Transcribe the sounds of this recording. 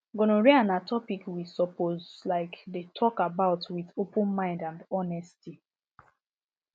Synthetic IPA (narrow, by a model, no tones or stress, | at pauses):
ɡonoɹianatʰɔpikwisɔpozlaɪkdetʰɔkabaʊtwiðopũnmãɪ̃ndãndɔnɛsti